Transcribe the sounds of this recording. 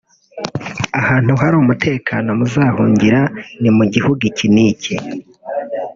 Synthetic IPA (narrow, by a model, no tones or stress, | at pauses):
ahaːn̥huhaɾuːmutʰe̞ːkʰano̞muzaːhuːɲɟiɾanimuɟihuɡiciniːce